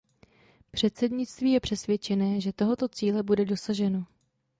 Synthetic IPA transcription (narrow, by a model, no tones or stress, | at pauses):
pr̝̥ɛt̪sɛdɲɪt͡st̪viːjɛpr̝̥ɛsvjɛt͡ʃɛnɛːʒɛt̪o̞ɦo̞t̪o̞t͡siːlɛbudɛdo̞saʒɛno